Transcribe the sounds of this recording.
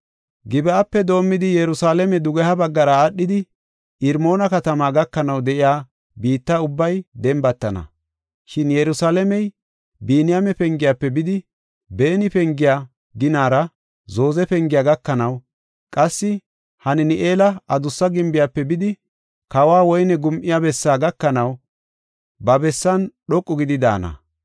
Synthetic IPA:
ɡɪbɛapːɛd̪o̞ːmːɪd̪ɪjɛɾʊsaːlɛmɛd̪ʊɡɛhɐbɐɡːɐɾɐːɗːɪd̪ɪ | ɪɾmo̞ːnɐkɐt̪ɐmaːɡɐkːɐnɐwd̪ɛʔɪjaː | biːt̪ːaʊbːɐjd̪ɛmbɐt̪ːɐnɐ̰ | ʃɪnjɛɾʊsaːlɛmɛj | biːnɪjamɛpɛŋɡɪjaːpːɛbɪd̪ɪ | be̞ːnɪpɛŋɡɪjaː | ɡɪnaːɾɐ | zo̞ːzɛpɛŋɡɪjaːɡɐkːɐnɐw | kʼɐsːɪ | hɐnɛnɪʔeːlɐɐd̪ʊsːɐɡɪmbɪjapːɛbɪd̪ɪ | kɐwaːwɔjnɛɡʊmʔɪjabɛsːaːɡɐkːɐnɐw | bɐbɛsːɐnɗɔkʼːɔɡɪd̪ɪd̪a̰ːnɐ̰

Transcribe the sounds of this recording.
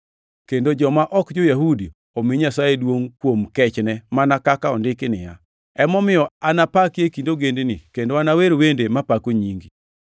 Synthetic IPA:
kendod͡ʒɔmaʔɔkd͡ʒojaɦudi | omɪɲasajedwoŋkwomkɛt͡ʃnɛmanakakaɔndɪkɪnɪ̰ja̰ | ɛmɔmɪjɔanapakjekindoɡendenɪkendoanaweɾwendemapakoɲiŋɡi

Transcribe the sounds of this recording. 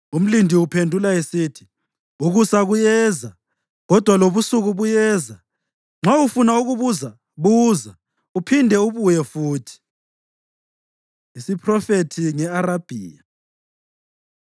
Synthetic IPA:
um̩lindʱiupʰendʱulaesitʰi̥ | uɣusaɣujɛːza | ɣɔd̥ʱwaloβusuɣuβujɛːza | ŋ͡ǁaufunauɣuβuza | βuːza | upʰindʱɛuβujɛfuːtʰi̥ | isipʰrɔfetʰiŋɛaɾab̥ʱḭːja

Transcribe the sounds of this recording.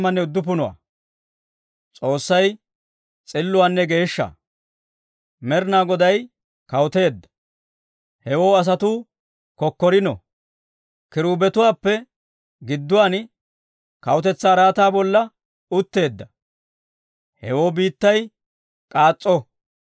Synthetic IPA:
mːɐnːɛʊd̪ːʊp̬ʊnʊwa̰ː | t͡sʼo̞ːsːɐj | t͡sʼɪlːʊwaːnːɛɡe̞ːʃːɐ̰ | mɛɾnaːɡɔd̪ɐj | kɐwʊt̪e̞ːd̪ːɐ̥ | hɛwoːɐs̬ɐt̪uː | kɔkːɔɾɪnɔ̰ | kɪɾuːbɛt̪ʊwaːpːɛ | ɡɪd̪ːʊwaːn | kɐwʊt̪ɛt͡sːaːɾaːt̪aːbɔlːɐ | ʊt̪ːe̞ːd̪ːɐ | hɛ̰wo̞ːbiːt̪ːɐj | kʼaːt͡sʼːɔ

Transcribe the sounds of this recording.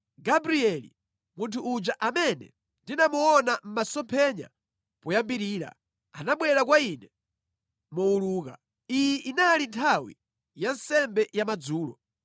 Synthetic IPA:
ɡabɾiɛlḭ | muntʰuːd͡ʒaʔamɛnɛ̰ | ndinamuɔnam̩masɔmpʰɛɲa̰ | pujambiɾiːɾa̰ | anaɓwɛɾakwainɛ | mɔuluːka | ijɛʔinalintʰawḭ | jansɛmbɛjamad͡zuːlɔ

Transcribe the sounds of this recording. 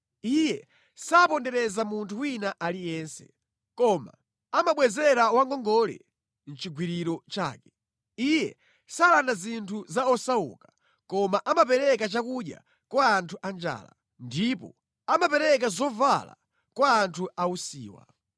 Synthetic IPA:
ijɛ | sapɔndɛɾɛzamuntʰuwinaʔalijɛnsɛ̥ | kɔma̰ | amaɓwɛzɛɾawaŋɡɔŋɡɔlɛ̰ | n̩t͡ʃiɡwiɾiɾɔt͡ʃa̰ːkɛ̥ | ijɛ | saːlandazintʰuzaɔsaṵkḁ | kɔmaʔamapɛɾɛkat͡ʃakuɗja̰ | kwaːntʰuʔand͡ʒa̰ːla̰ | ndipɔ | amapɛɾɛk̬azɔvala̰ | kwaːntʰuausḭːwa̰

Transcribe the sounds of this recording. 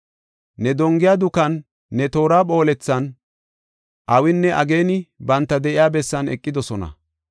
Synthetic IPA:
nɛd̪ɔŋɡɪjaːd̪ʊkɐnː | ɛt̪o̞ːɾaːpo̞ːlɛt͡sːɐn | ʔɐwɪnːɛʔɐɡe̞ːnɪbɐnt̪ːɐd̪ɛʔɪjaːbɛsːɐnɛ̰kʼːɪd̪ɔsɔnɐ̰

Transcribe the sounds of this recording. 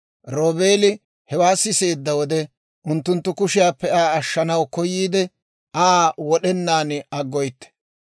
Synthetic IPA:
ɾo̞ːbeːlɪ | hɛwaːsːɪse̞ːd̪ːɐwɔd̪ɛ | ʔʊnt̪ːʊnt̪ːʊkʊʃɪjaːpːɛaːɐʃːɐnɐwkɔjːiːd̪ɛ | ʔaːwɔɗɛnːaːnɐɡːɔjt̪ːɛ̥

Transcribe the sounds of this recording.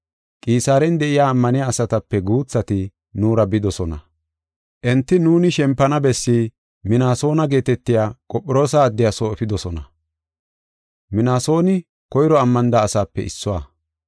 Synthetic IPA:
kʼiːsaːɾɛnd̪ɛʔɪjaːmːɐnɪjaːsɐt̪ɐpːɛɡuːt͡sːɐt̪ɪ | nuːɾɐbɪd̪ɔsɔnɐ̰ | ʔɛnt̪ːɪnuːnɪʃɛmpːɐnɐbɛsːiː | mɪnaːso̞ːnɐɡe̞ːt̪ɛt̪ːɪjaːkʼɔpʼːɪɾo̞ːsaːd̪ːɪjasoːɛfɪd̪ɔsɔnɐ | mɪnaːso̞ːnɪ | kɔjɪɾɔɐmːɐnd̪aːsaːpːɛ̰ʔɪ̰sːɔwa

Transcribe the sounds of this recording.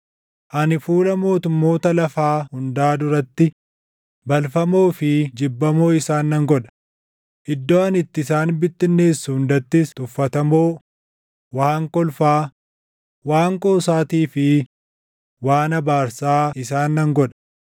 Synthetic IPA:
ʔɐnɪfuːlɐmo̞ːt̪ʊmːo̞ːt̪ɐlɐfaːhʊnd̪aːd̪ʊɾɐt̪ːɪ | bɐlfɐmo̞ːfɪd͡ʒɪbːɐmo̞ːɪsaːnːɐŋɡɔᶑɐ̥ | ʔɪd̪ːoːɐnɪt̪ːɪsaːnbɪt̪ːɪnːe̞ːsːuʊnd̪ɐt̪ːɪst̪ʼʊfːɐt̪ɐmo̞ː | waːŋkɔlfaː | waːŋkʼoːsaːt̪iːfɪ | waːnɐbaːɾsaːɪsaːnːɐŋɡɔᶑɐ̥

